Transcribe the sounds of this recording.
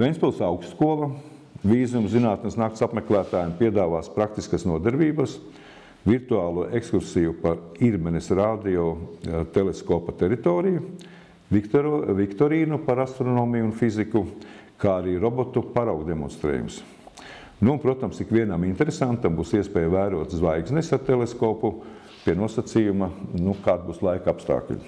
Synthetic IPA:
vɛnʲsʲpulˠsawksskuɔlˠɐ | ʋiːzumzinaːt̪nesnaːkt̪sapmeklˠæːt̪aːjmpiɛd̪aːʋaːspɾak̚t̪iskasnuɔd̪ɛɾbiːbɐs | viɾt̪uaːlˠuʔekskuɾsiːjupaɾiɾmɛnesɾaːd̪iɔt̪eleskɔːpat̪ɛɾit̪oːɾiju | ivikt̪ɔɾiːnupaɾast̪ɾɔnoːmijːnfiziku | kʰaːaɾiːɾɔbot̪upaɾawɡd̪emɔnst̪ɾḛːjṵms | nuːnpɾuɔt̪amsikʋʲiɛnamint̪eɾesant̪ːambuːsiɛspɛːjvæːɾuɔt̪zʋajɡznɛsaɾt̪eleskoːpu | piɛnuɔsat̪siːjumanukaːd̪̚buːslˠajkapst̪a̰ːklʲṵ

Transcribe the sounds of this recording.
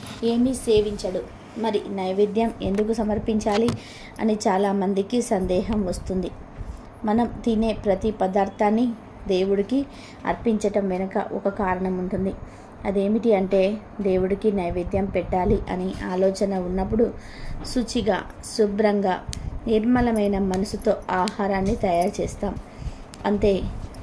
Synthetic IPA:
e̞ːmise̞ːʋiɲt͡ʃɐɽu | mɐɾinɐjɐʋid̪jɐme̞̰nd̪ukusɐmɐɾpiɲt͡ʃaːli | ɐ̰nit͡ʃaːlaːmɐnd̪ikisɐnd̪ɛːɦɐmʋɐst̪und̪i | mɐnɐmt̪iːne̞ːpɾɐt̪ipɐd̪aːɾt̪ʰaːnːi | d̪e̞ːwuɽiki | ɐ̰ɾpiɲt͡ʃɐʈɐmʋenɐkɐ̰ʔɔ̰kɐkaːɾɐɳɐmuɳʈund̪i | ɐd̪e̞ːmiʈiɐɳʈe̞ː | d̪e̞ːwuɽikinɐjʋeːd̪jɐmpɛʈːaːliʔɐ̰niaːlɔːt͡ʃɐnɐunːɐp̬ːuɽu | sut͡ʃiɡa̰ː | subɾɐŋɡa̰ːniɾmɐlɐmɐjnɐmɐnɐsut̪o̞ːaːhaːɾaːnːit̪ɐjaːɾt͡ʃɛːst̪aːm | ɐ̰ɳʈ̪e̞ː

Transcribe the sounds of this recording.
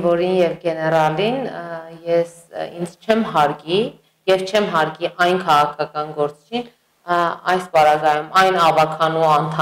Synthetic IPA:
vɔɾinjɛvɡɛnɛɾɑlinjɛs | ḭnd͡zt͡ʃʰɛmɦɑɾɡi | jɛvt͡ʃʰɛmɦɑɾɡiʔɑjnkʰɑʁɑkʰɑkɑnɡɔɾt͡si̥t͡ʃʰin | ɑjspɑɾɑɡɑjumɑjnɑvɑkʰɑnuɑnt̪ʰɑ

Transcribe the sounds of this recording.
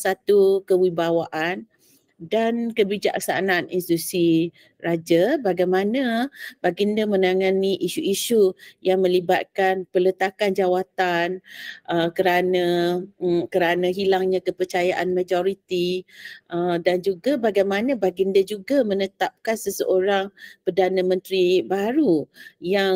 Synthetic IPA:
sat̪ukəwibawaʔan | dankəbid͡ʒa̰k̚sa̰nanḭnsit̪usi | rad͡ʒabaɡajmanãb̥aɡindəmə̃naŋaniʔiʃuiʃujaŋmə̃liba̰t̪̚kanpələt̪akand͡ʒawat̪anʔəkəɾanã | kəɾanãɦilaŋɲãkəpərt͡ʃajaʔanmãd͡ʒoɾit̪iʔədand͡ʒuɡabaɡajmanãbaɡindəd͡ʒuɡamənət̪ap̚kansəsəʔoɾaŋpərdanãmə̃nt̪ɾibaɾujaŋ

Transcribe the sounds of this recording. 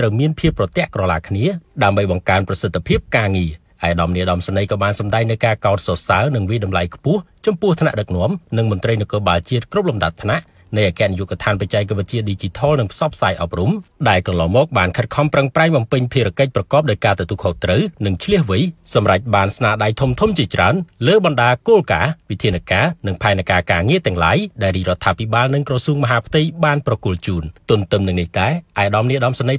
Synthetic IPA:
rəwmiənpʰiəpːrɑt̪ɛ̆əʔkrɑlaːkʰniəɗaəmɓəjɓɑŋkaənprɑsət̪ʰːapʰiəp̚kaːŋiə | ʔaɛʔɗɑmniəɗɑmsanɨjkɑːɓaːnsɑmɗaɛŋnɨwkaːkaɔt̪̚sosaənɨŋʋiəjɗɑmlajkʰpʊ̆əht͡ɕɑmpʊ̆əht̪ʰna̰ʔɗək̚nŏəmnɨŋmʊ̆ənt̪rəjnɨkoːɓaːlt͡ɕiət̪̚krup̚lumɗat̪̚pʰnaʔ | nɨjʔaːkɛ̆əʔnijuʔkt̪ʰaːnpac̚t͡ɕaɛkːʋɨt̪̚t͡ɕiət̪̚ɗiːt͡ɕit̪ʰɑːlnɨŋpʰsɑpʰsaːjʔɑp̚rumɗaɛlkɑnlɑːŋmɔːk̚ɓaːnkʰət̪̚kʰɑmprəŋpraɛŋɓɑmpɨɲpʰiəɾə̆əkəc̚prɑkɑːp̚ɗaɔjkaːt̪ət̪uəkʰoːt̪rəwnɨŋt͡ɕʰliəhʋɨjsɑmrac̚ɓaːnsnaːɗajt̪ʰumt̪ʰumt͡ɕiət͡ɕra̰ənləːɓɑnɗaːkoːlkaːʋit̪ʰiənakaːnɨŋpʰaɛnakaːkaːŋiət̪ɛ̆əŋla̰ːjɗaɛlriːrŏət̪ʰːaːpʰiɓaːlnɨŋkrɑsuːŋmɔɦaːpʰt̪ɨjɓaːnprɑkŭəlt͡ɕuːnt̪ʊ̆ənt̪ɨmnɨŋniht̪aɛʔaɛʔaɗɑmniəʔɗɑmsanəj

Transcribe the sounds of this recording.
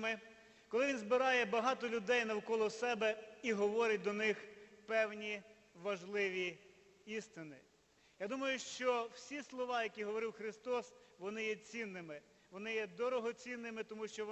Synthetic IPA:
mɪ | kɔlˠɪʋʲinzbɪɾɑjɛbɐɦɑt̪ɔlʲʊd̪ɛjnɐwkɔlˠɔsɛbɛiɦɔʋɔɾʲɪt̚ʲd̪ɔnɪxpɛwnʲi | ʋɐʒlˠɪʋʲi | ist̪ɪnɪ | jad̪umɐjʊʃt͡ʃɔw̥sʲislˠɔʋɑjɐkʲiɦɔʋɔɾɪwxɾɪst̪ɔsʋɔnɪjɛt͡sʲinːɪmɪ | ʋɔnɪjɛd̪ɔɾɔɦɔt͡sʲinːɪmɪt̪ɔmuʃt͡ʃɔ

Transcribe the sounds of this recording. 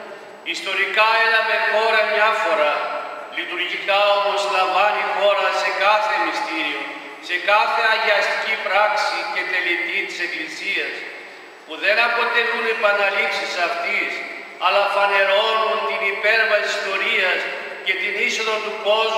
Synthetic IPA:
ist̪o̞ɾikɐe̞nɐve̞xo̞ɾɐmɲɐfo̞ɾɐlit̪uɾʝikɐo̞mo̞zlɐɱvɐnixo̞ɾɐse̞kɐθe̞mist̪iɾio̞ | se̞kɐθe̞ɐʝeɐst̪i̥cipɾɐksice̞t̪e̞lit̪it̪i̥se̞klisiɐs | puðe̞nɐpo̞t̪e̞lunepɐnɐlipsisɐft̪is | ɐlɐfɐne̞ɾo̞nunt̪inipe̞ɾvɐsisist̪o̞ɾiɐs | ce̞t̪iniso̞ðot̪uko̞z

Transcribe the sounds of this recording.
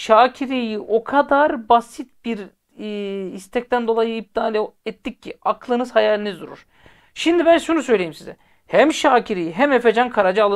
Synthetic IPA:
ʃaːcʰiɾijiʔo̞kʰad̪aɾbasit̪̚biɾ | ist̪ʰɛc̚t̪ʰænd̪o̞lˠajɯib̚d̪aːlʲɛt̪ːicʰːiaklˠɯnɯzhajalʲinizd̪uɾṵɾ̥ | ʃimd̪ibænʃunusø̞jlʲejimsizɛ̰ | hæmʃaːcʰiɾijiɦæmefed͡ʒankʰaɾad͡ʒaalˠɯ

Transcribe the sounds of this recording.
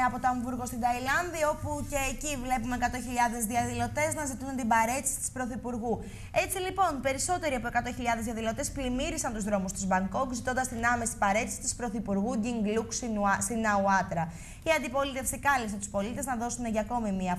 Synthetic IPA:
ɐpot̪oɐɱvuɾɣo̞st̪ind̪ɐilɐnðio̞puce̞ːcivle̞pumeekɐt̪o̞çiʎɐðe̞zðiɐðilo̞t̪e̞znɐzit̪uunt̪ibɐɾe̞t̪i̥si̥t̪i̥spɾo̞θipuɾɣu | e̞t͡silipo̞npe̞ɾiso̞t̪e̞ɾiɐpo̞e̞kɐt̪o̞çiʎɐðezðiɐðilo̞t̪e̞splimiɾisɐnt̪uzðɾo̞must̪uzbɐŋɡo̞kzit̪o̞nd̪ɐst̪inɐme̞si̥bɐɾe̞t̪isi̥t̪ispɾo̞θipuɾɣuɟiŋɡluksst̪inɐuɐt̪ɾɐ | iɐnd̪ipo̞lit̪e̞fsikɐlisɐnt̪uspo̞lit̪e̞znɐðo̞sune̞ʝɐko̞mimiɐ

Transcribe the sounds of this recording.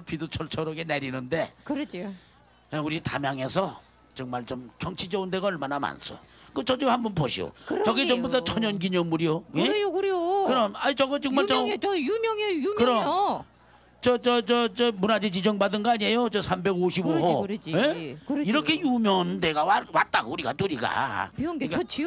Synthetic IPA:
pidot͡ɕʰʌɭt͡ɕʰʌɾʌɡeneɾinɯnde̞kɾ | euɾita̰mjaŋe̞sʰʌ | t͡ɕɯŋ̚maɭt͡ɕomkʰjʌŋt͡ɕʰid͡ʑʌunde̞ɡaʌɭmanama̰nsʰo̰kɯt͡ɕʌd͡ʑomhambʌnpoɕʰḭo̰ɾt͡ɕʌɡit͡ɕʌmbudat͡ɕʰʌɲʌnɡiɲʌnmːuɾijoeokɯɾejokɯɾʌmaɲit͡ɕʌɡʌt͡ɕɯkmat͡ɕʌjumjʌŋejukɯɾʌ | t͡ɕʌt͡ɕʌt͡ɕʌt͡ɕʌmunad͡ʑit͡ɕid͡ʑʌŋbadɯnɡʌaɲiɦejot͡ɕʌsʰambe̞ɡoɕʰiboɦoɾeiɾʌkʰe̞jumjʌnde̞ɡawawat̚t͈aɡouɾiɡa̰tuɾiɡa̰ɡkat͡ɕʰ

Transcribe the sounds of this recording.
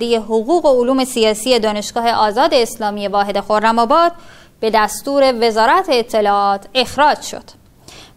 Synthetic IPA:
d̪ejeɦoɣuːɣe̞oluːme̞sijɒːsiːje̞d̪ɒːne̞ʃɡ̥ɒːhe̞ʔɒːzɒːd̪e̞ːslɒːmije̞vɒːɦe̞d̪e̞xoɾːæmɒːbɒːd̪̥̚ | b̥e̞d̪æst̪uːɾe̞ve̞zɒːɾæt̪ʰeːt̪ʰːe̞lɒːɒːt̪ʰe̞xɾɒːd͡ʒʃo̞̰d̪̥

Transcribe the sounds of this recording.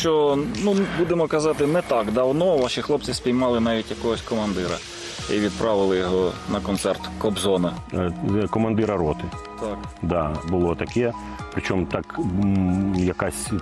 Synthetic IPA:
t͡ʃɔnumbud̪emɔkɐzɑt̪ɪnɛt̪ɑkd̪ɐwnɔʋɑʃixlˠɔp̚t͡s̪ʲɪspʲijmɑlˠɪnɑʋʲitʲjɐkɔɦɔsʲkɔmɐnd̪ɪɾɐ̰ | iʋʲid̪̚pɾʔɑʋɪlˠɪjɔɦɔnɐkɔnt̪sɛrt̪kɔbzɔnɐ | kɔmɐnd̪ɪɾɐɾɔt̪ɪ | t̪ɑk | d̪ɑbʊlˠɔt̪ɐkɛ | pɾɪt͡ʃɔmt̪ɑk | jɐkɑsʲ

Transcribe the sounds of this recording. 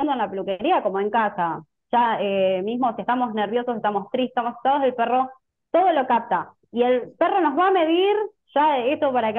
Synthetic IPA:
nd̪oenlapelukeɾiako̞moe̞ŋkasa | ʃaemizmo̞sie̞st̪amo̞zneɾβ̞jo̞soseht̪amo̞st̪ɾie̥t̪amose̥t̪aðoðelpero̞ | t̪o̞ð̞o̞lo̞kap̚t̪a | ie̞lpero̞no̞zβaːme̞ðiɾ | ʃaesopaɾake

